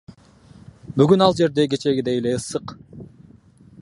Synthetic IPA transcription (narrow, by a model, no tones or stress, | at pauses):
byɡynɑlˠd͡ʒe̞ɾd̪e̞ɡe̞t͡ʃe̞ɡʲid̪ejele̞ɯsɯq